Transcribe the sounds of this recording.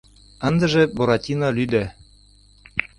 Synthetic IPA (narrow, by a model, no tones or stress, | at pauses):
ɑnd̪ɤ̆ʒɘ̆boɾɑt̪ʲinɑlʲyd̪æ